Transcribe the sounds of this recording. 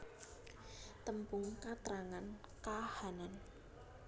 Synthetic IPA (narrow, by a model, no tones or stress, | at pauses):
t̪əmpʊŋkat̪ɾaŋankahanan